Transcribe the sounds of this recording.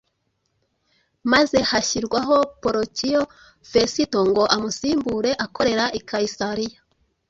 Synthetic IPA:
maze̞haçiɾɡwaɦo̞poɾotʰijo | fesitoŋɡo̞ʔamusiːmbuɾe̞ʔako̞ɾe̞ɾaʔikaisaɾija

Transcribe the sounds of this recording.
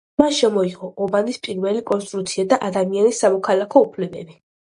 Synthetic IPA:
manʃɛmɔiʁɔʔɔbanispʼiɾvɛlikʼɔnst̪ʼɾut̪sʰiad̪aʔad̪amianisːamɔkʰalakʰɔupʰlɛbɛbi

